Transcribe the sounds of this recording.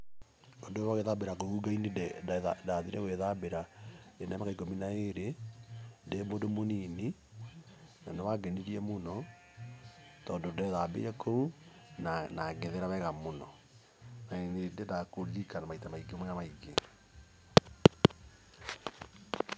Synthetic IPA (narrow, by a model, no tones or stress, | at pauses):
ondowaɣeðabeɾakouɡaineadaðiɾɛɣweðabeɾaenamakaiɡominaeɾe | ndemodomonini | nanewaɡɛniɾiɛmonɔ | tɔːndondɛðabḛɾɛkʰou | nanaɣeðeɾaβɛɣamonɔ | naenendedakoɣikanamaitamaiɡemɔjamaiɡe